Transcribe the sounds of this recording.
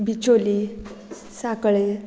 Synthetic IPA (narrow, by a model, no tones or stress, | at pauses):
bit͡ɕoli | sakɭe